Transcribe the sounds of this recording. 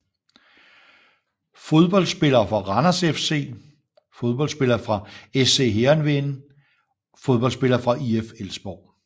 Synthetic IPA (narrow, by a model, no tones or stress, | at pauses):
fo̝ð̞ˠb̥ɒ̽l̰sb̥e̝lɐːfʁɑ̈ʁɑnɐsefse̝̰ː | foð̞ˠb̥ɒ̽lsb̥e̝lɐːfʁɑ̈ese̝̰ːɦeɐnʋe̝nə | fo̝ð̞ˠb̥ɒ̽l̰sb̥e̝lɐːfʁɑ̈ʔiefelsb̥ɒʊ̰